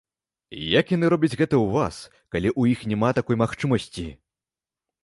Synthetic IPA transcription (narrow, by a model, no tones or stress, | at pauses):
jakjanɨɾɔbʲɐd͡zʲɣɛt̪ɐwvas | kalʲiʔujixnʲɛmat̪akɔjmaxt͡ʂɨmɐsʲt͡sʲi